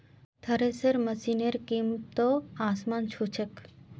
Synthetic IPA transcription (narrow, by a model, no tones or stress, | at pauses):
t̪ʰəɾesəɾməsineɾkimt̪oaːsmant͡ʃʰut͡ʃʰək